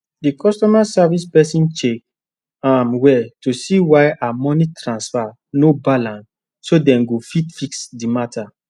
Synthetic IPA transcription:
dikʰɔstɔmasavispɛsĩnt͡ʃek̚ | amwɛtusiwaɪʔamɔnitʰɾãnsfa | nobalãns | sodɛ̃nɡofitfiksdimatʰa

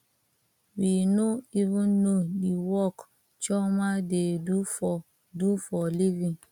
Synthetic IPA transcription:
winoivũnːodiwɔk | t͡ʃɔmadedu | dufɔlivĩŋ

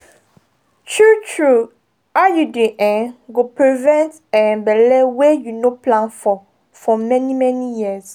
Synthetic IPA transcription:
tʰutʰɹu | ajudĩʔɛ̃ɡopɹivɛ̃nt | ɛ̃nbɛlɛwejunoplãnfɔ | fɔmɛnimɛnijis

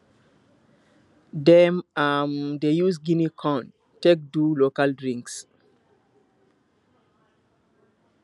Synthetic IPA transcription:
dɛmamdejusɡinikʰɔ̃n | tek̚dulokaldɹĩŋks

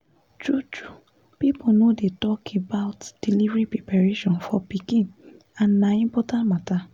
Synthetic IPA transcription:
tɹutu | piponodetɔkʰebaʊtd̥ilivɹipɹepaɹeʃɔ̃nfɔpikĩn | ãnːãĩmpɔtãntmata

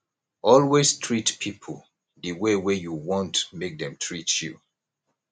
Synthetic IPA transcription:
ʔɔlwestʰɹitpʰipʰəl | dəwewejuwɔ̃ntmek̚dɛ̃mtʰɹitjṵ

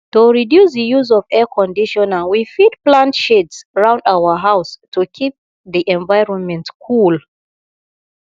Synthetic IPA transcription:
tuɹidjusðəjuzɔvɛkʰɔ̃ndiʃɔnawifid̚plãntʃedsɹãw̃ndawəɦawstukʰip̚ | ðiʔɛ̃nvajɹɔ̃nmɛ̃ntkʰul

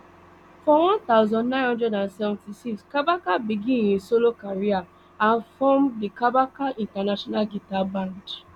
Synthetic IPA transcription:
fɔwɔ̃nt̪aʊzɔ̃ndnãɪ̃nɦɔ̃dɛdãnsɛvɔ̃ntisikskabakabiɡĩjĩsolokaɾia | an̩fɔmdikabakaʔĩntanaʃɔnalɡitabãd

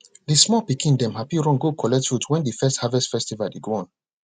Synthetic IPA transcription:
dismɔpikʰĩndɛ̃mhapiɹɔ̃ŋɡokʰɔlɛk̚tfutwɛ̃ndifɛsthavɛstfɛstivaldeɡoɔ̃n

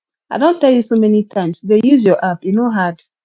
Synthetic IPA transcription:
aɪdõnttʰɛlˠjusomɛnitʰãɪ̃msdejuzjɔʔapjunoɦad

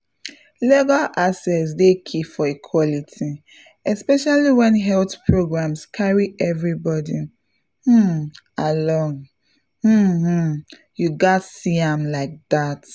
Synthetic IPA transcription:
leɡalʔasɛsdekʰifɔikʰwɔlitʰi | ɛspɛʃaliwɛ̃nɦɛlθpʰɹoɡɹãmskʰaɹiʔɛvɹibɔdi | hm̩ | alɔ̃ŋ | hm̩ | juɡatsiãmlaɪk̚ðat

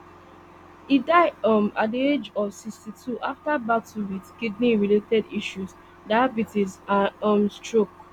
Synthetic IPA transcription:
idaɪdʌ̃ma̰died͡ʒɔvsikstitʰuʔaftabatuwidkidniɹiletɛdiʃuz | daabitizaʌ̃mstɹok̚

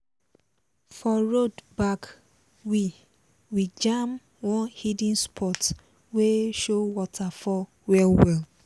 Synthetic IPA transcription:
fɔɹodbak | wi | wid͡ʒãm | wɔ̃nhidĩnspʰɔt | weʃowɔtʰafɔ | wɛlwɛl

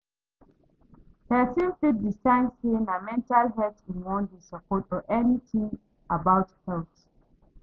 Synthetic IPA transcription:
hɛtĩnfit̚distãnsenamɛ̃ntalɦɛtĩnwɔ̃ndesəpʰɔtɔʔɛnitĩŋ | abawthɛlt

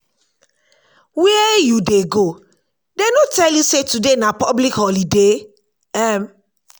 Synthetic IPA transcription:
wɛɛjudeɡo | denotɛljusetudenãpɔblikhɔlide | ɛm

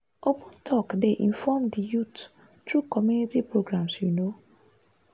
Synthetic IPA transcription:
opʰə̃ntʰɔkdeʔĩɱfɔmdijut | tɹukɔmjunitipɹoɡɾãmsjuno

